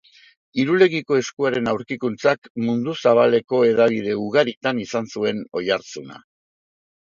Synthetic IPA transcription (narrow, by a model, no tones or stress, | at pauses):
iɾule̞ɣiko̞e̞skuaɾe̞nawɾkikunt͡sakmund̪usaβ̞ale̞ko̞e̞ðaβ̞iðe̞uɣaɾit̪anisansue̞no̞jaɾt͡suna̰